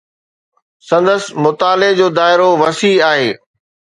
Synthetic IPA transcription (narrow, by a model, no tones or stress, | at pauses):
sɐ̃nd̪əsmʊt̪aːled͡ʑoːd̪aːɪɾoʋɐsiːaːɦeː